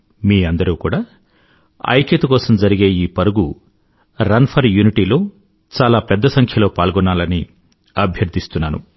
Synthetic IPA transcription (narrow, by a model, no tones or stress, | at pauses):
miːɐnd̪ɐɾuːkuːɽaː | ɐ̰jkɐt̪ukɔːsɐmd͡ʒɐɾiɡe̞ːiːpɐɾuɡu | ɾɐnpʰɐɾjuniʈiːlo̞ː | t͡ʃaːlaːpɛd̪ːɐsɐŋkʰjɐlo̞ːpaːlɡɔnːaːlɐni | ɐbʱjɐɾd̪ʱist̪unːaːnṵ